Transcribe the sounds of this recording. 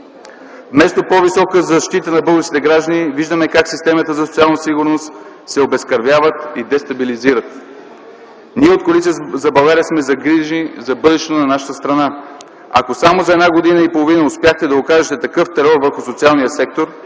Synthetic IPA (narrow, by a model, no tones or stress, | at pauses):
vmɛst̪opɔvisɔkəzɐʃt̪it̪ənɐbɤlˠɡət͡ʃ̪it̪ɛɡɾaʒd̪əniviʒd̪əmɛkaksist̪ɛmət̪əzɐsot̪sialˠnəsiɡʊɾnost̪ | sɛobɛskɐɾvjavət̪id̪ɛst̪ɐbiliziɾət̪ | niɛot̪̚kolit̪siəzɐbɐlˠɡaɾijəsmɛzɐɡɾiʒnizɐbɤd̪ɛʃɛt̪onɐnaʃə̥t̪əst̪ɾɐna | ɐ̰kosamozɐɛd̪naɡod̪inəipolˠovinəʊspjaxt̪ɛd̪ɐokaʒɛt̪ɛt̪ɐkɤft̪ɛɾɔɾvɤɾxʊsot̪sialˠnijəsɛk̚t̪oɾ